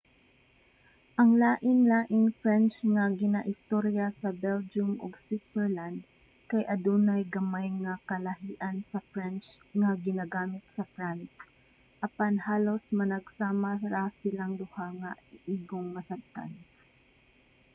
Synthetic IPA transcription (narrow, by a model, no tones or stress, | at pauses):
ʔɐŋlaːʔɪnlaːʔɪŋfɹɛnt͡ʃŋaɡɪnaʔɪst̪oɾjasɐbɛld͡ʒʊmʔʊɡswɪt̪sɛɹland̪̚ | kajʔɐd̪uːnajɡɐmajŋakɐlɐɦiːʔansɐfɹɛnt͡ʃŋaɡɪnaɡaːmɪt̪̚sɐfɹans | ʔɐpanhaːlosmɐnɐɡsaːmaɾasɪlaŋd̪ʊhaŋaɪʔiːɡoŋmɐsab̚t̪a̰n